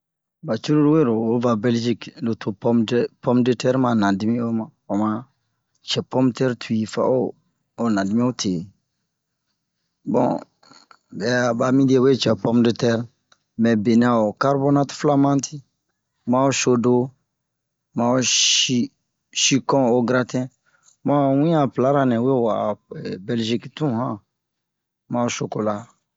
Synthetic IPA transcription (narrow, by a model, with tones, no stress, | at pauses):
ba˨t͡ʃu˦ɾu˦ɾu˦we˦˨ɾo˨o˦va˨bɛ˦ld͡ʒi˦klo˨tʰo˨pɔ˦m˦pɔ˦mde˦tɛ˦ɾmã˨nã˨di˦mĩ˦o˦mã˦ɔ˨mã˨˦ | t͡ʃɛ˨pɔ˦mtɛ˦ɾtʰu˨i˨fa̰˨˦oː˦˨ | nã˨di˦mĩ˦o˦tʰe˨ | bɔ̰̃˨ | bɛ˨a˦˨ba˨mĩ˦di˦ɛ˦we˦˨t͡ʃɛ˨pɔ˦mde˦tɛ˦ɾ | mɛ̃˨be˨n˨˦ã˨o˨ka˦ɾbo˦na˦tfla˦mã˦ntʰi˦ | mã˦o˦ʃo˦do˦ | mã˨o˦i˦ | ʃi˦kɔ̃˦o˨ɡɾa˦tɛ̃˦ | mã˦˨wĩ˦ã˨pla˨˦ɾa˦nɛ̃˨we˦˨wa˨ɛbɛ˨lʒi˦ktũ˦hã˦ | mã˦o˦sʃo˧ko˨la˨